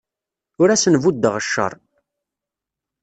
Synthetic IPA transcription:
ʊɾæsənvud̪ːəʁəʃːə̰ɾˤ

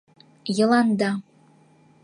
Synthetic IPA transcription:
jɤ̆lˠɑnd̪ɑ

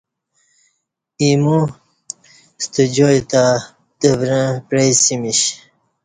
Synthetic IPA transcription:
imu | st̪əd͡ʑojt̪a | t̪əvɾə̃pɾejsimiɕ

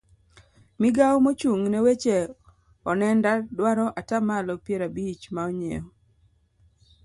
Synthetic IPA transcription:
mɪɡawmot͡ʃuŋnɛwet͡ʃe | ɔnɛndadwaɾɔʔatamalɔpjeɾabit͡ʃmaɔɲḛɔ

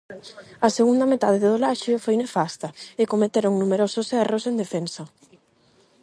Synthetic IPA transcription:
ɐseɣund̪ɐmet̪að̞eðeðolaʃofojnefast̪ɐɪkomet̪eɾoŋnumeɾososɛrosend̪efensɐ

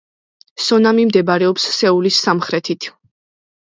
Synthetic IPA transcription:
sɔnamimd̪ɛbaɾɛɔpsːɛulisːamχɾɛt̪ʰit̪ʰ

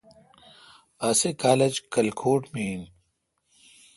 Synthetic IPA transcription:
ɐsekaːled͡ʑkɐlkʰoːʈmiːn

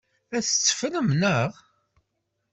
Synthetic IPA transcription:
æθət͡sːə̥fnəmnəʁ

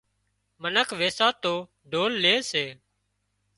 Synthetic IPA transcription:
mənəkʰʋeːsaːt̪oː | ɖʱoːlːeːseː

